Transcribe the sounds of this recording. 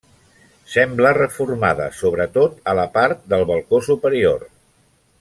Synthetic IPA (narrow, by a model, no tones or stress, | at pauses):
sɛmblərəfurma̰ðə̰soβɾət̪ot̪ələpaɾt̪̚d̪əlˠβəlˠkosupəɾior